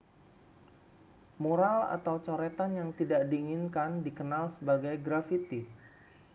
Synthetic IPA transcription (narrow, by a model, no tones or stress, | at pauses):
moɾala̰t̪awt͡ʃoɾɛt̪anjaŋt̪idaʔdiːŋinkandikənalsəbaɡajɡɾafit̪i